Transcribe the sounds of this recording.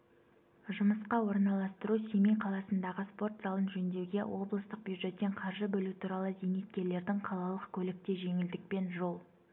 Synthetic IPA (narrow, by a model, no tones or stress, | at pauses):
ʒʊməsqɑwo̞ɾnɑlˠɑst̪əɾusemejqʰɑlˠɑsənd̪ɑʁəspo̞rt̪zɑlˠənʒɵnd̪e̞wɡʲe̞wʔo̞blˠəst̪əq̚bjud̪ʒe̞t̪ːe̞ɴqʰɑɾʒəbɵlut̪ʰuɾɑlˠəzejnet̪̚kʲe̞ɾle̞ɾd̪ɪŋqʰɑlˠɑlˠəqkʲʰɵlɪk̚t̪e̞ʒe̞ŋɪld̪ɪk̚pe̞nʒo̞lˠ